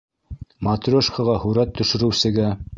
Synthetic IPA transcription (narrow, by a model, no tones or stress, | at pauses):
mat̪rʲoʃkaʁɑhuɾæt̪ʰːɵ̆ʃɵ̆ɾɘ̆wsɘ̆ɡæ